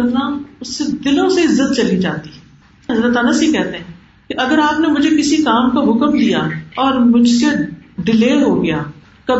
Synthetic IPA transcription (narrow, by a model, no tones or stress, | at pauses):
ɾnaːʊsːed̪ɪlõseɪzːət̪̚t͡ʃɐlid͡ʒaːt̪i | ɦɐzɾət̪əːnəsɦikɛɦt̪eɦɛ̃ | keʔɐɡəɾaːpnemʊd͡ʒʱekɪsikaːmkaɦʊkəmlijaːɔːɾmʊd͡ʒʱseɖɪleːɦoɡɐjaː | kɐ